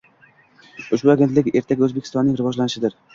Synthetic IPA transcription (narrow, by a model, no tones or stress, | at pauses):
ʊʃbʊaɡʲe̞nt̪lɪkʲe̞ɾt̪ʰaɡʲɵzbekʲʰst̪ɒnːɪŋɾɪvɒd͡ʒlanɪʃɪd̪ɪɾ